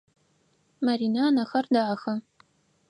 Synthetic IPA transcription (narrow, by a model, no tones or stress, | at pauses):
maɾiːnaːnɐxɐrdaʕaxɐ